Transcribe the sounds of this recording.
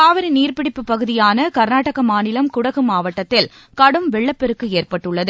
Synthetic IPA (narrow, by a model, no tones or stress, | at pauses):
aːʋɐɾiniːrpɪɽɪpːɯpːɐɣɯðɪjaːnɐkɐɾnaːʈːɐɣɐmaːnɪlɐmkʊɽɐɣɯmaːʋɐʈːɐt̪ːɪl | kɐɽɯmʋɛɭːɐpːɛɾɯkːɯeːrpɐʈːɯɭːɐðɯ